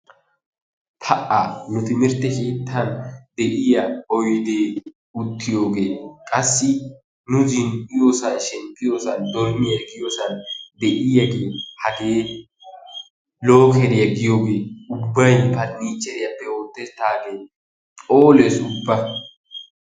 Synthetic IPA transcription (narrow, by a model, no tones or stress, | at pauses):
pʰɐʔanʊt̪ɪmɪɾt̪ːɛkeːt̪ːɐnd̪ɛʔɪjɐɔjd̪eː | ʊt̪ːɪjo̞ːɡeːkʼɐsːɪ | nʊzɪnɪjo̞ːsɐnʃɛmpʼːɪjo̞ːsɐnd̪ɔɾmɪjɐɡɪjoːsɐnd̪ɛʔɪjɐɡeːhɐk̪eː | lo̞ːkɛɾɪjɐɡɪjoːɡeːʊbːɐjpɐt̪niːt͡ʃːɛɾɪjɐpːɛoːt̪ːɛt̪ːaːɡeː | tʼoːlesʊbːɐ